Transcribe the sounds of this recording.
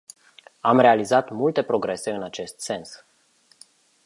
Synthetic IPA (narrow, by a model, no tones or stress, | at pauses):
amre̞alizat̪mult̪e̞pɾo̞ɡɾe̞se̞ɨnat͡ʃe̞st̪se̞ns